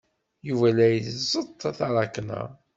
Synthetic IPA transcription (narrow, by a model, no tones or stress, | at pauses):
juvælæjəθzˤət̪ˤːθɑɾˤɑknə̰